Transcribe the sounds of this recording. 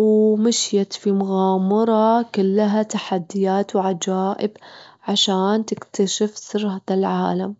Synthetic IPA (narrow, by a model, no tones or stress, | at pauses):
wmaʃjat̪fimʊɣaːmɑɾˤɑkʊlːɦat̪aħad̪ːɪjaːt̪wʕad͡ʒaːʔɪbʕaʃaːnt̪ɪkt̪aʃɪfsɨrˤhaːðalʕa̰ːlam